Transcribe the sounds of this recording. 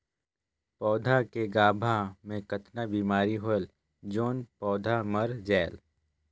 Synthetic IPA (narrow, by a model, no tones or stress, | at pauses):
pɔːd̪ʱakeɡaːbʱamẽkət̪nabiːmaːɾiɦol | d͡ʒoːnpɔːd̪ʱaməɾd͡ʒɛːl